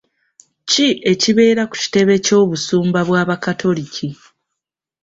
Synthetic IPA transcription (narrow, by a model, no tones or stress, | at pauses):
ciʔe̞ciβe̞ːɾaku̥ci̥te̞βe̞co̞ːβusuːmbaβwaːβakatʰo̞licʰi